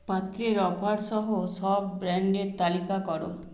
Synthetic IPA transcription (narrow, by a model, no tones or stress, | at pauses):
pat̪ɾiɾɔbʱaɽsɔɦusɔbbɾaɳɖet̪alikakɔɽṵ